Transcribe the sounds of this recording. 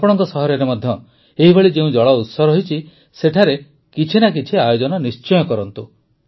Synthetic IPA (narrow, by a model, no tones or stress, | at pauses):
pɔɽ̃ɔŋkɔsɔɦɔɾɔɾemɔd̪ʱjɔ | eɦibʱeɭid͡ʒeũd͡ʒɔɭɔut̪sɔɾɔɦit͡ʃʰi | seʈʰaɾe | kit͡ʃʰinak̬it͡ʃʰiajod͡ʒɔnɔnist͡ʃɔjɔkɔɾɔnt̪u